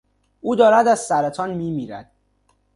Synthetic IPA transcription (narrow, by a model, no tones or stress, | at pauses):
uːd̪ɒːɾæd̪æz̥sæɾæt̪ʰɒːnmiːmiːɾæ̰d̪̥̚